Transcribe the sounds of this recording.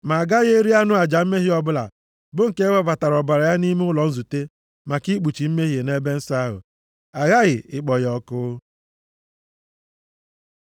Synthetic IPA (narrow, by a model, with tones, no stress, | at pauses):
ma˨a˨ɡa˦ɣe˦ɾi˦a˦nʊ˦a˨d͡ʒa˨m̩˦me˦ɦi˦ɔ˨bʊ˦la̰˨ | bʊ˦ŋ̩˨ke˦wa˦va˨ta˨ɾɔ˨ba˨ɾa˨ja˦ni˦me˦ʊ˦lɔ˨n̩˦zu˨te˦ | ma˨ki˦k͡pu˨t͡ʃi˨m̩˦me˦ɦi˨e˨ne˦be˦n̩˦sa˦a˦ɦʊ̰˨ | a˨ɣa˦ɣɪ˨ɪ˨k͡pɔ˨jɔ˨kʊ˦